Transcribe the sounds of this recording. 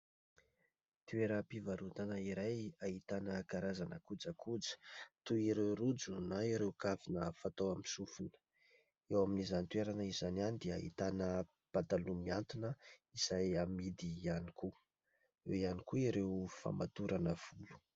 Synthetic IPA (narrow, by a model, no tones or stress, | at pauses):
t̪ueɾəpivaɾut̪anəiɾajaɦit̪anəkaɾazanəkud͡zakʰud͡zə̥t̪uiɾeɾud͡zunaiɾewkafinəfat̪owamisufunə̥ | ewaminizanit̪weɾanəizananid̪eaɦḭt̪anə | b̥at̪alumiant̪unəizajamid̪ianikʰu | ewianikuiɾewfa̰mat̪uɾanəv̥ulu̥